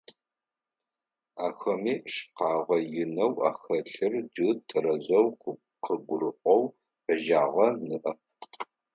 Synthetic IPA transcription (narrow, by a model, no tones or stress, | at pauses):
aːxɐmiːʃqɑːʁʷɐjɪnɐwa̰ːxɐɬɨrd͡ʒɨtʰɨɾɐzɐwqʷʊ | qəɡʷʊɾɨʔʷʼɔw | ɐʒaːʁɐnɨʔɐp̚